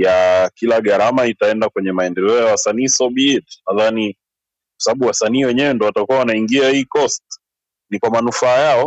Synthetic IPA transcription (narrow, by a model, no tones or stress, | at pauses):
jakilaɠaɾamaitaɛndakwɛɲɛmaɛndɛlɛɔjawasaniːsɔɓitnaðani | kwḁsaɓaɓuwasaniːwɛɲɛwɛndɔwatakuawanaiŋɡiahiːkɔst | nikwamanufaːjaɔ